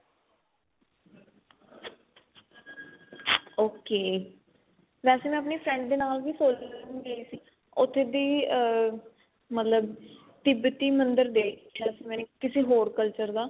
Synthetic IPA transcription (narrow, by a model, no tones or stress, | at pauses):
oːkeː | ʋɛːseːmɛ̃ːəpneːpʰɾɛ̃ːɳɖd̪eːnaːlʋiːsoːlmĩːɡəiːsiː | ʊt̪ʰːeːd̪iː | mət̪ləb | t̪ɪbt̪iːmənd̪əɾd̪eːɛːsemɛ̃ːkɪseːɦoːɾkəlt͡ʃəɾd̪aː